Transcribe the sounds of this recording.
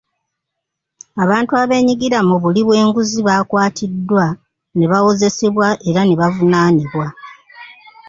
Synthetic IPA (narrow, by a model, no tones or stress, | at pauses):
aβaːntuaβe̞ːɲiɡiɾamuβuliβwe̞ːŋɡuziβaːkwaːtʰidːwa | neβawo̞ze̞se̞βwaʔe̞ɾaneβavunaːniβwa